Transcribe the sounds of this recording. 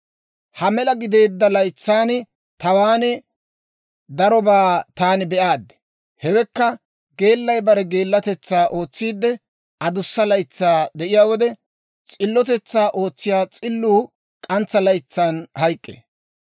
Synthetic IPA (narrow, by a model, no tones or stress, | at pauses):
hɐmɛlɐɡɪd̪e̞ːd̪ːɐlɐjt͡sːaːnɪ | t̪ɐwaːnɛ | d̪ɐɾɔbaːt̪aːnɪbɛʔaːd̪ɛ̥ | hɛwɛkːɐ | ɡe̞ːlːɐjbɐɾɛɡe̞ːlːɐt̪ɛt͡sːaːʔo̞ːt͡sːiːd̪ːɛ | ɐd̪ʊsːɐlɐjt͡sːaːd̪ɛʔɪjaːwɔd̪ɛ | t͡sʼɪlːɔt̪̬ɛt͡sːaːʔo̞ːt͡sːɪjaːt͡sʼɪlːuː | kʼɐnt͡sːɐlɐjt͡sːaːnhɐjkʼːḛː